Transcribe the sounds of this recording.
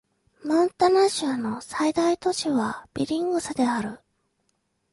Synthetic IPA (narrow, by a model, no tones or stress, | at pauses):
mɯ̃nt̪anaɕɨano̞said̪ait̪o̞ɕiβab̥ʲiɾʲĩŋɡɯ̟sad̪e̞aɾɯ̟